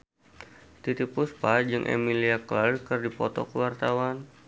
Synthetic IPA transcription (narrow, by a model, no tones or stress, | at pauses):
t̪it̪ipuspad͡ʒɨŋʔḛmiliaklalkərdipɔt̪ɔ̰kəwart̪awan